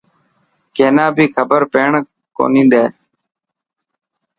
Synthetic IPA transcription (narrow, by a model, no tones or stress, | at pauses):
keːnãːbʱiːkʰəbəɾpeːɳ | ko̰ːnĩːnd̪eː